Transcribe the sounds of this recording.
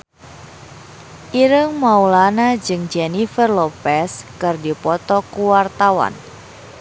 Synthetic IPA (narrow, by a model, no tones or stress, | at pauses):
ʔiɾəŋmaulanad͡ʒɨŋd͡ʒɛnifərlɔpɛskɨrdipɔt̪ɔkuwart̪awa̰n